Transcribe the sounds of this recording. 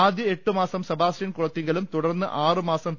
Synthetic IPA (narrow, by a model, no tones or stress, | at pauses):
aːd̪jɐeʈːɨmaːsɐmsɐbʱaːsɐnkuɭɐt̪ːiŋɡɐlumt̪uɽɐrnːɨʔaːrɨmaːsɐm